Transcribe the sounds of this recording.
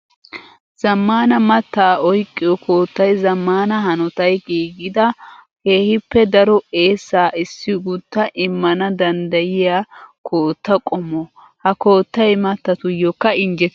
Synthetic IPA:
z̥ɐmːaːnɐmɐt̪ːaːʔɔjkʼːɪjɔkʰo̞ːt̪ːɐjzɐmːaːnɐɦɐnɔt̪ɐjɡiːɡɪd̪ɐheːhɪpːɛd̪ɐɾɔeːsːaːɪsːɪɡʊt̪ːɐʔɪmːɐnɐd̪ɐnd̪ɐjɪjaːkʰoːt̪ːɐkʼɔmɔ | hɐko̞ːt̪ːɐjmɐt̪ːɐt̪ʊjɔkːɐɪnd͡ʒɛt̪

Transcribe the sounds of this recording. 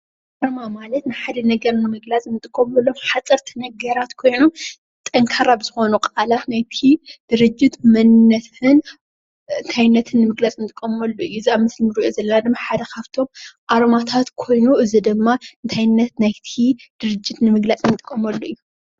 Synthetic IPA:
ʔaɾmamalɐt̪nɨħad̪ɐnɐɡɐɾnɨmɨɡlat͡sʼnɨt̪ʼɨkʼːɐmɐlːomħat͡sʼɐɾt̪ʰɨnɐɡɐɾat̪kʰo̞jnom | t̪ʼɐŋkʰaɾabɨz̥ɨxo̞nukʼalat̪najt̪ʰid̪̥ɨɾɨd͡ʒːɪt̪mɐnːɐtɨn | ɨnt̪ʰajnːɐt̪ʰɨnːɨmɨɡlat͡sʼɨnt̪ʼɨkʼːɐmɐlːoɨjːuɨziaβmɨslmɨɾiʔozɐlːɐnad̪ɨmːaħad̪ɐkʰaβt̪ʰo̞mʔaɾmat̪ʰat̪kʰo̞jnuɨzid̪ɨmːaɨnt̪ʰajnːɐt̪najt̪ʰid̪̥ɨɾɨd͡ʒːɪt̪nɨmɨɡlat͡sʼnɨt̪ʼɨkʼːɐmɐlːoɨjːu

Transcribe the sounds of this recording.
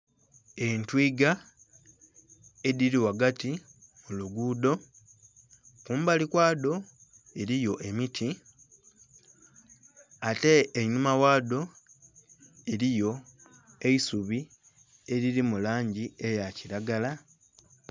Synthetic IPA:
e̞ntwiːɡa | ediɾiwaɡatimuluɡuːdo̞ | kuːmbalikwaːdo̞ | eɾijo̞ʔe̞mitʰi | ate̞ːɲumawaːdo̞ | eɾijo̞ | e̞isuβi | e̞ɾiɾimulaːɲɟiejaciɾaɡala

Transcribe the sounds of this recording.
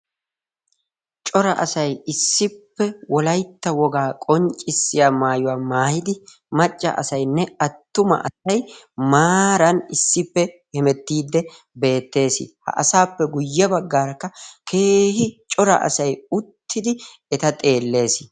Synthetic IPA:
t͡ʃʼɔɾɐʔɐsɐjɪsːɪpːɛwɔlɐjt̪ːɐwɔɡaːkʼɔnt͡ʃʼɪsːɪjaːmaːjʊwaːmaːjɪd̪ɪ | mɐt͡ʃʼːɐ̰ʔɐ̰sɐjnːɛɐt̪ːʊmɐ̰ʔɐ̰sɐj | maːɾɐnɪsːɪpːɛhɛmɛt̪ːiːd̪ːɛ | be̞ːt̪ːe̞ːsɪ̰hɐ̰ʔɐsaːpːɛɡʊjːɐbɐɡːaːɾɐkːɐkʰe̞ːhɪt͡ʃʼɔɾɐ̰ʔɐ̰sɐjʊt̪ʰːɪd̪ɪ | ɛt̪ɐt̪ʼe̞ːlːe̞ːsɪ̥

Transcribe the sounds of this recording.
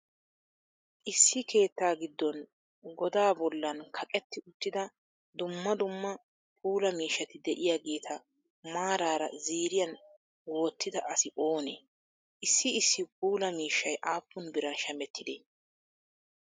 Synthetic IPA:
ʔɪsːɪkʰe̞ːt̪ːaːɡɪd̪ːɔn | ɡɔd̪aːbɔlːɐnkʰɐkʼɛt̪ːɪʊt̪ːɪd̪ɐ | d̪ʊmːɐd̪ʊmːɐ | puːlɐmiːʃːɐt̪ɪd̪ɛʔɪjaːɡe̞ːt̪ʰɐ | maːɾaːɾɐ̰ziːɾɪjɐn | wo̞ːt̪ːɪd̪ɐʔɐsɪʔoːnḛː | ʔɪsːɪɪsːɪp̚uːlɐmiːʃːɐjʔaːpːʊnbɪɾɐnʃɐmɛt̪ʰːɪd̪eː

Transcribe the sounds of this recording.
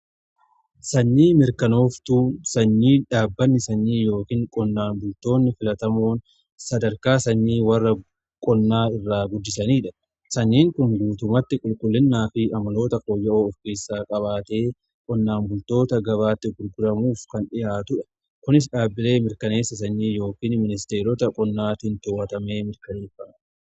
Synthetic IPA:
sɐnːiːmɪɾkɐno̞ːft̪uːsɐnːiːᶑaːbːɐnːɪsɐnːiːjo̞ːkiːŋkʼɔnːaːnbʊlt̪o̞ːnːɪfɪlɐt̪ɐmo̞ːn | sɐd̪ɐɾkaːsɐnːiːwɐrːɐ | kʼɔnːaːɪrːaːɡʊd̪ːɪsɐniːᶑɐ̥ | sɐnːiːŋkʊŋɡuːt̪ʊmɐt̪ːɪkʼʊlkʼʊlːɪnːaːfɪʔɐmɐlo̞ːt̪ɐkoːjːɐʔoːɔfkeːsːaːkʼɐβaːt̪e̞ː | kʼɔnːaːnbʊlt̪o̞ːt̪ɐɡɐbaːt̪ːɪɡʊɾɡʊɾɐmuːfkɐnᶑɪjaːt̪ʊᶑɐ̥ | kʊnɪs̬ᶑaːbːɪle̞ːmɪɾkɐne̞ːsːɐsɐnːiːjo̞ːkiːnmɪnɪst̪e̞ːɾɔt̪ɐkʼɔnːaːt̪ɪnt̪ʊwɐt̪ɐme̞ːmɪɾkɐneːfːɐː

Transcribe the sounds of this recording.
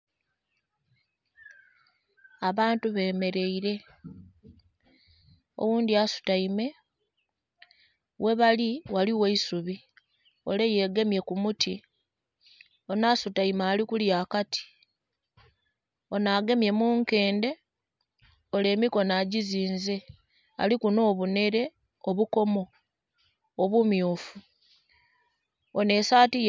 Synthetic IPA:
aβaːntuβe̞ːme̞ɾe̞iɾe̞ | o̞̰wuːndiasu̥taime̞ | we̞βaliwaliweisuβi | o̞̰le̞je̞ːɡe̞mje̞kumutʰi | o̞naːsutaimaːlikuljaːkatʰi̥ | o̞naɡe̞mje̞muːŋke̞ːnde̞ | o̞le̞ːmiko̞naːɟiziːnze̞ | a̰likuno̞ːβune̞ɾe̞ | oβuko̞mo̞ | βumjoːfu | one̞ːsaːtij

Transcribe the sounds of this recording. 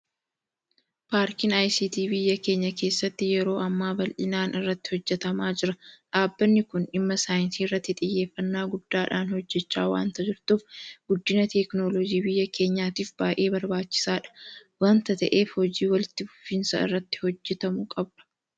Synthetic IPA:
paːɾkɪnajsiːt̪iːbɪjːɐke̞ːɲːɐke̞ːsːɐt̪ːɪjɛɾo̞ːʔɐmːaːbɐlʔɪnaːnɪrːɐt̪ːɪ̥hɔd͡ʒːɛt̪ɐmaːd͡ʒɪɾɐᶑaːbːɐnːɪkʊnɪmːɐsaːjɪnsiːrːɐt̪ːɪt̪ʼɪjːe̞ːfːɐnːaːɡʊd̪̥ːaːᶑaːnhɔd͡ʒːɛt͡ʃːaːwa̰ːnt̪ɐd͡ʒɪɾt̪uːfɡʊd̪ːɪnɐt̪ɛknolɔd͡ʒiːbɪjːɐkʰe̞ːɲːaːt̪iːfbaːʔeːbɐɾbaːt͡ʃːɪ̥saːᶑɐ̥waːnt̪ɐt̪ɐʔe̞ːfhɔd͡ʒiːwɐlɪt̪ːɪbʊfɪnsɐ̰ɪ̰rːɐt̪ːɪ̥hɔd͡ʒːɛt̪ɐmʊkʼɐbᶑɐ̥

